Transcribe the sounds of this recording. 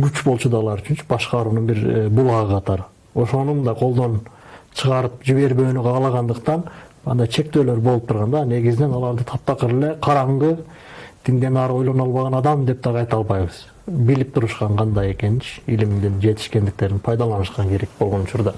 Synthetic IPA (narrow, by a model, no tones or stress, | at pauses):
ɡyt͡ʃbo̞lˠt͡ʃud̪ɑːlˠɑɾyt͡ʃʰynt͡ʃy̥bɑʃqɑɾuːnunbiɾbulˠɑʁɯqʰɑt̪ɑɾɯ | o̞ʃo̞numnd̪ɑqʰo̞lˠd̪o̞n | t͡ʃʰɯʁɑɾɯp̚d͡ʒiβe̞ɾbø̞ːnyʁɑːlˠɑʁɑnd̪ɯqt̪ɑnɑnd̪ɑjt͡ʃʰe̞k̚t̪øːlø̞ɾbo̞lˠup̚t̪ʰuɾʁɑnd̪ɑne̞ɡizɪne̞nɑlˠɑɾd̪ɯt̪ʰɑp̚t̪ɑqɯɾele̞qʰɑɾɑɴʁɯ | d̪̥ʰind̪e̞nɑɾo̞jlˠo̞nolˠβɑʁɑnɑd̪ɑmd̪e̞p̚d̪ɑʁɑjt̪ɑlˠβɑjβɯz̥ | bilip̚t̪ʰuɾuʃqɑɴqʰɑnd̪ɑje̞ke̞nit͡ʃilimd̪ind͡ʒe̞t̪ʰi̥ʃke̞nd̪ik̚t̪e̞ɾinpʰɑjd̪ɑlˠɑnɯʃqɑŋkʰeɾek̚bo̞lˠʁo̞nut͡ʃuɾd̪ɑ